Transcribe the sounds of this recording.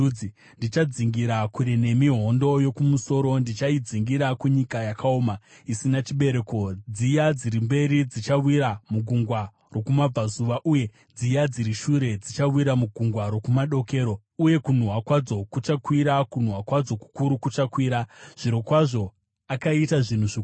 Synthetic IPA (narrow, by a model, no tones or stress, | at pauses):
i | ndit͡ʃad͡ziŋɡiɾakuɾene̞miɦo̞ndo̞jo̞kumuso̞ɾo̞ndit͡ʃaid͡ziŋɡiɾakuɲikajakaoːma | isinat͡ʃiɓe̞ɾe̞ko̞d͡zijad͡ziɾimbe̞ɾid͡zit͡ʃawiɾamuɡʱuŋɡwa | rokumab͡vazuʋaʔuje̞ | d͡zijad͡ziɾiʃuɾe̞d͡zit͡ʃawiɾamuɡʱuŋɡwaɾo̞kumaɗo̞ke̞ːɾo̞ | uje̞kun̤uɦwakwad͡zo̞kut͡ʃakwiɾakun̤uɦwakwad͡zo̞ku̥kuɾukut͡ʃakwiːɾaʐ̥iɾokwaʐo̞ | akaitaʐin̤uʐi